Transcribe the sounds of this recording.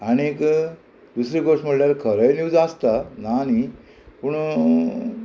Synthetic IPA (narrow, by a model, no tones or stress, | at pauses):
añiek | d̪usɾiɡoʂm̤əɽljaɾkʰəɾəjnjuːd͡zast̪anani | puɳ